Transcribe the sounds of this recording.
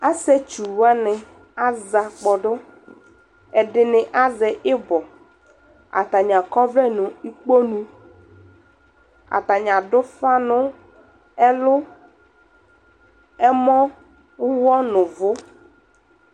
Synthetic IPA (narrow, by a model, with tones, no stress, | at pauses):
a˦sɛ˦t͡ʃu˨wa˦nɪ˨ | a˦za˨k͡pɔ˨ɖʊ˦ | ɛ˨ɖɪ˨nɪ˨ʔa˦zɛ˨ʔɪ˦bɔ˨ | a̰˨t̪a˨ɲã˨kɔ˦vlɛ˦nʊ̃˨i˦k͡po˦nũ˦ | a̰˨t̪a˨ɲã˨ɖʊ˦fa˦nʊ̃˦ | ɛ˦lʊ˦ | ɛ˦mɔ̃˦ | ʊ˦wɔ˦nʊ̃˨vʊ˦